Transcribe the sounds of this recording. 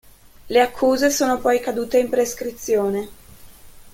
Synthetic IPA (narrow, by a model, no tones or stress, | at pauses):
leakʰːuːzesoːnopɔjkad̪uːt̪eimpɾeskɾit̪sːjoːne